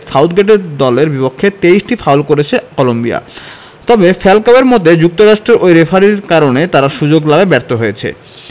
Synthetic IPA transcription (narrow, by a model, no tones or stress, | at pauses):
sawt̪ʰɡeʈeɾd̪ɔleɾbipokʰːet̪eisʈifaolkoɾet͡ɕʰekɔlombia̰ | t̪ɔbefɛlkabeɾmɔt̪ed͡ʑuk̚t̪oɾaʃʈɾeɾʔojɾefʰaɾiɾkaɾonet̪aɾaʃud͡ʑoɡlabebɛɾt̪oɦojet͡ɕʰḛ